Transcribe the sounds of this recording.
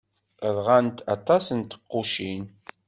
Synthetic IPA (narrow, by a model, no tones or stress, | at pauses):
əðʁant̪ɑt̪ˤɑsənt̪ə̥qːʊʃin